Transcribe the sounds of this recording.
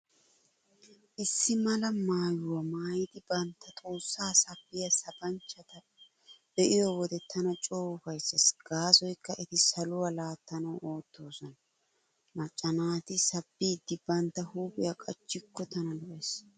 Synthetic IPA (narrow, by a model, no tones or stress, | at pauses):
ʔɪsːɪmɐlɐmaːjʊwɐmaːjɪd̪ɪbɐnt̪ːɐt̪ʼoːsːaːsɐbːɪjɐsɐbɐnt͡ʃːɐt̪ɐ | b̥ɛʔɪjɔwɔd̪ɛt̪ɐnɐt͡ʃʼo̞ːwʊfɐjsːɐsɡ̥aːsɔjkːɐʔɛt̪ɪsɐlʊwɐlaːt̪ːɐnɐwʔo̞ːt̪ːo̞ːsɔnɐ | mɐt͡ʃʼːɐnaːt̪ɪsɐbːiːd̪ːɪbɐnt̪ːɐhuːpʼɪ̰jɐkʼɐt͡ʃːɪkːɔt̪ɐnɐlʊʔɛs